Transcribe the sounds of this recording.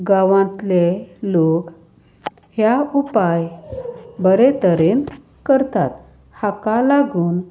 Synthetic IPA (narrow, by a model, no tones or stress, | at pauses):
ɡaʋãnt̪lelok | hjaupaj | bəɾet̪əɾen | kəɾt̪at̪ | hakalaɡuːn